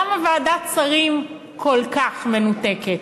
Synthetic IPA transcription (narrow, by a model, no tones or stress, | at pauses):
amaveaːdat͡saʁim | kʰo̞lkaχme̞nuteket